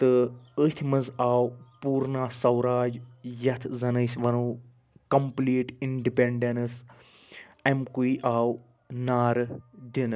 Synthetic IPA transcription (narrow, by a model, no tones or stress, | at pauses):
t̪ɨət̪ʰimɐzaːwpuːɾnaːsɐwɾaːd͡ʒjɐt̪ʰzɐnəjsʋɐnuː | kɐmpliːʈiɳɖipeɳɖenɨs | ɛmkuiʔaːw | naːɾd̪in